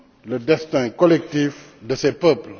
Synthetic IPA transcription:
ləd̪ɛst̪ɛ̃kɔlɛk̚t̪if | d̪əsɛpəpl

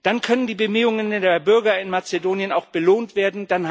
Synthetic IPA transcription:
d̥ankʰœnəndiːbəmyːʊŋəndeːɐbʏɐɡɐɪnmat͡sedoːnjənaʊxb̥əloːntv̥eːɐdn̩d̥an

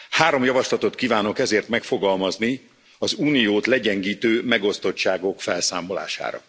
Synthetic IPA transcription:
haːɾo̞mjɒvɒʃlɒt̪o̞t̪kiːvaːno̞kɛzeːrt̪mɛkfo̞ɡɒlmɒzni | ɒzuːnijoːt̪lɛɟɛŋɡiːt̪øːmɛɡo̞st̪o̞t͡ʃːaːɡo̞kfɛlsa̰ːmo̞la̰ːʃa̰ːɾɒ̰

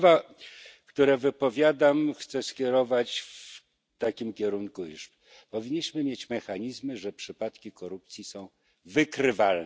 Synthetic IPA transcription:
va | kt̪uɾɛvɘpɔvʲjad̪amxt̪sɛskʲɛɾɔvat͡ɕf | t̪akʲimkʲɛɾuŋkujuʂ | pɔvʲiɲːiɕmɘmʲjet͡ɕmɛxaɲizmɘʐɛpʂɘpat̪kʲikɔɾup̚t̪sʲjisɔ̃w̃ | vɘkɾɘvaln

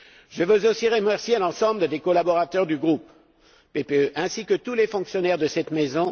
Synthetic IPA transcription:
ʒəvøzosiʁəmɛʁsjelɑ̃sɑ̃bləd̪ekɔlabɔʁat̪œʁd̪yɡʁupː | epeøʔɛ̃sikət̪ulefɔ̃ksjɔnɛʁd̪əsɛt̪mezɔ̃

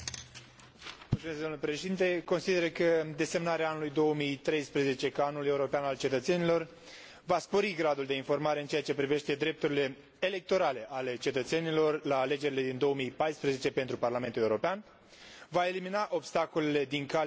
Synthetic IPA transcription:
mult̪sumesd̪omlepɾe̞ʃed̪int̪e̞ko̞nsid̪e̞ɾəkəd̪e̞se̞mnaɾeaanulujd̪o̞omijt̪ɾe̞jspɾeze̞t͡ʃe̞kaanule̞uɾo̞peanalt͡ʃe̞t̪ət̪se̞nilo̞r | vaspo̞ɾiɡɾad̪uld̪e̞info̞rmaɾe̞ɨnt͡ʃe̞at͡ʃe̞pɾive̞ʃt̪e̞d̪ɾe̞p̚t̪uɾile̞ː | le̞k̚t̪o̞ɾale̞ʔale̞t͡ʃe̞t̪ət̪se̞nilo̞rlaːle̞d͡ʒe̞ɾile̞d̪ind̪o̞womijpajspɾeze̞t͡ʃe̞pe̞nt̪ɾuparlame̞nt̪ule̞uɾo̞pean | vae̞liminaʔo̞bst̪ako̞lele̞d̪iŋka

